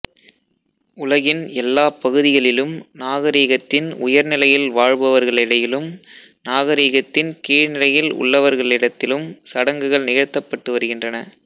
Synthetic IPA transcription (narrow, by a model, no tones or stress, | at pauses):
ʊlɐɣɪnɛlːaːpɐɣɯðɪɣɐɭɪlɯmnaːɣɐɾiːɣɐt̪ːɪnʊ̰jɐɾnɪlɐjɪlʋaːɻbɐʋɐɾɣɐɭɪɽɐjɪlɯm | naːɣɐɾiːɣɐt̪ːɪnkiːɻnɪlɐjɪlʊ̰ɭːɐʋɐɾɣɐɭɪɽɐt̪ːɪlɯmsɐɽɐŋɡɯɣɐɭnɪɣɐɻt̪ːɐpːɐʈːɯʋɐɾɯɣɪndrɐnɐ